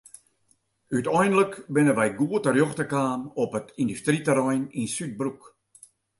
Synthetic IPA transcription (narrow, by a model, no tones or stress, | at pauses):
ytɔjndləkbɪnənʋɛjɡuətərjoxtəkaːnɔpətʰindystritəɾɔjninsyt̚bruk